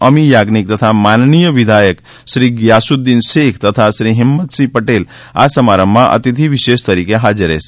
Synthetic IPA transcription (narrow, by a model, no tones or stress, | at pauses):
əmijaɡnik̚t̪ət̪ʰamannijəʋid̪ʱajək | ʃɾiɡjasud̪ːinʃekʰt̪ət̪ʰaʃɾiɦimːət̪sipəʈel | a̰səmaɾəmːãʔə̰t̪it̪ʰiʋiʃeʃt̪əɾikeɦad͡ʒəɾḛs